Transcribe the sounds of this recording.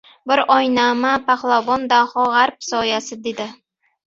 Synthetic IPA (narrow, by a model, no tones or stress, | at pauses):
bɪɾɒjnamapaχlˠavɒnd̪ahɒʁaɾp̚sɒjasɪd̪ed̪ɪ